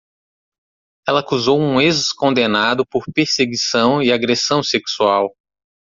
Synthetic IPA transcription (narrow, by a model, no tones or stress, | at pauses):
ɛlɐkuzowũezʊskõnd̪enad̪ʊpoɾpeɾseɡisɐ̃w̃iaɡɾesɐ̃w̃seksuaw